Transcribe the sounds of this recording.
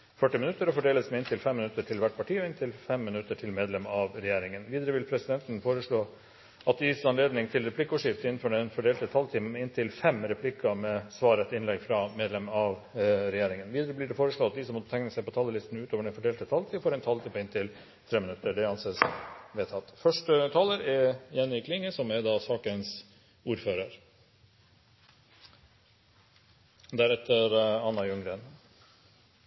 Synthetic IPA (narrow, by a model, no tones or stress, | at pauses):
fœʈːɪmɪnʉt̪ːəɾɔfɔɖeːləsmɛɪnt̪ʰɪlfɛmːɪnʉt̪ːəʈʰɪlʋæʈːpʰɑʈʰiːɔɪnt̪ʰɪlfɛmːɪnʉt̪ːəʈʰɪlmeːd̪lɛmɑʋɾɛjeːɾɪŋənʋiːd̪əɾəʋɪlpʰɾɛsɪd̪ɛnt̪ən̩foːɾəʂɭoː | ɑt̪̚d̪sɑnleːd̪nɪŋt̪ʰɪlɾɛpʰlɪkːəʊːʂɪft̪əɪnːn̩føɖɛnfɔɖeːlt̪ɛt̪ʰhɑlt̪ʰiːmɑmɛɪnt̪ʰɪlfɛmɾɛpʰlɪkːɑmɛsʋɑːɾɛt̪ɪnlɛɡfɾɑmeːd̪lɛmɑʋɾɛjeːɾɪŋənʋiːd̪əɾəbliːɖɛfoːɾəʂɭɑːt̪̚d̪ɪsɔmːɔət̪ʰɛŋnəsæɪpɔt̪ʰɑːləlɪst̪nʉːt̪ʰoːʋəɖɛnfɔɖeːlt̪ət̪ʰɑːlt̪ʰifoːɾɛnt̪ʰɑlt̪iːpɪnt̪ʰɪl | t̪ʰɾeːmɪnʉt̪ːəɖɛɑnseːsʋeːt̪ʰɑt̪ːfœʂʈət̪ʰɑːləɾɛjɛnːɪkʰlɪŋːəsɔmɛɾd̪ɑːsɑːkəns | uːɾføːɾəɾ | d̪æɾɛt̪ːəɾɑnːɑjʉŋɡɾən